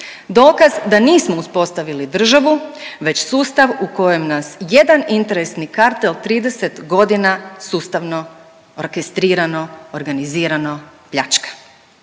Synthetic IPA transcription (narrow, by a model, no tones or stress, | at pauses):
d̪o̞ːkazd̪aniːsmouspo̞st̪aʋilid̪r̩ʒaʋuʋe̞t͡ɕsuːst̪aʋuko̞je̞mnasje̞d̪anint̪e̞ɾe̞snikaɾt̪elˠt̪ɾiːd̪e̞set̪ɡo̞d̪inasuːst̪aʋno̞ | oɾkest̪ɾiːɾanooɾɡaniziːɾanopʎat͡ʃkḁ